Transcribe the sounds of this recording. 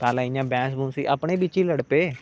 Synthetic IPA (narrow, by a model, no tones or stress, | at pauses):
t̪aːlaːɪ̃ãːbɛ̃ːs̬bũːnsḭːʔəpɳeːbɪt͡ʃːiːləɽpeː